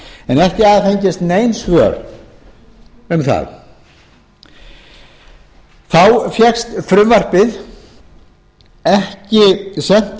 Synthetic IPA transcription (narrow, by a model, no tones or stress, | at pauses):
ɛnɛhcɪaðθejɲcɪst̪neːjnsvœːɾ | ʏmθa̰ð | θawfjɛxst̪fɾʏmvar̥pɪð | ɛhcɪsɛn̥t̪